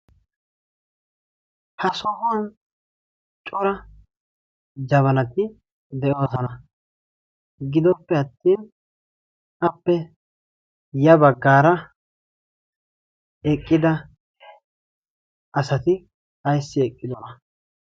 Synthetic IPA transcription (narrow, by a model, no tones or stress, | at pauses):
hɐsɔhʊwɐn | t͡ʃʼɔɾɐ | d͡ʒɐβɐnɐt̪ɪ | d̪ɛʔo̞ːsɐnɐ | ɡɪd̪ɔpːɛɐt̪ːiːn | ɐpːɛ | jɐbɐɡːaːɾɐ | ɛkʼːɪd̪ɐ | ʔɐsɐt̪ɪ | ɐjsːɪɛkʼːɪd̪ɔnɐ